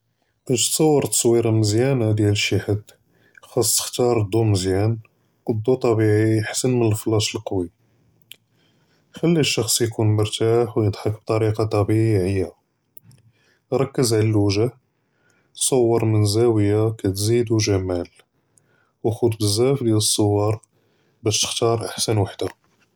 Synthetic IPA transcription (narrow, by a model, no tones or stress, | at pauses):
kæʒt̪sˤɑwːəɾˤt̪sˤwiɾɑməzjænad̪jæləʃːaħəd̪ | xɑsˤːt̪ə̥xt̪ɑɾˤəd̪ˤːuməzjæn | əd̪ˤːut̪ˤɑbiʕiħsənmənəlflɑʃəlqɑwi | xælːæʃːɑxsˤjkunmʊɾˤt̪aħwjəd̪ˤħɑkb̚t̪ˤɑɾiqɑt̪ˤɑbiʕiʕəjːa | ɾˤɑkːəzʕlælwəʒa | sˤɑwːɑɾˤmənzæwəjakæt̪zid̪uʒæmæl | wxud̪bəzːæfd̪jæləsˤːowːɑɾˤ | bæʃt̪ə̥xt̪ɑɾˤʔaħsənwaħd̪a